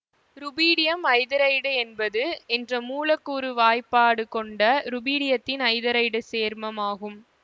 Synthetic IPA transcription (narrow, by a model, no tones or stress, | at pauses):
ɾʊbiːɽɪjɐmɐɪðɐɾɐɪɽɯɛnbɐðɯɛndrɐmuːlɐkːuːɾɯʋaːjpːaːɽɯkɔɳɖɐɾʊbiːɽɪjɐt̪ːɪnɐɪðɐɾɐɪɽɯseːɾmɐmaːɣɯm